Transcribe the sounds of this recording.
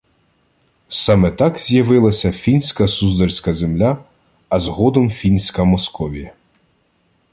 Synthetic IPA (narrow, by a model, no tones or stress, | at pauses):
sɑmɛt̪ɑkzʲjɐʋɪlˠɐsʲɐfʲinʲsʲkɐsuzd̪ɐrʲsʲkɐzemlʲaː | zɦɔd̪ɔmfʲinʲsʲkɐmɔskɔʋʲijɐ